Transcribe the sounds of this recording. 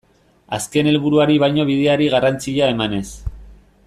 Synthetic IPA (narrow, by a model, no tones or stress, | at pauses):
aske̞ne̞lβuɾuaɾiβajɲo̞β̞ið̞e̞aɾiɣarant͡siʎae̞mane̞s